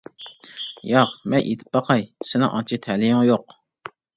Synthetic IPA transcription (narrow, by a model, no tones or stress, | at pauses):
jɑqmɛnʔḛt̪ʰɪ̥p̚bɑqʰɑjsɪnɪ̰ŋʔɑ̰nt͡ʃʰit̪ʰælijɪŋjoq